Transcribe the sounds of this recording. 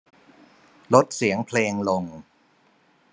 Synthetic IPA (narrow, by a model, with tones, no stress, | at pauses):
lo˦˥t̪̚si˩˦əŋpʰleː˧ŋlo˧ŋ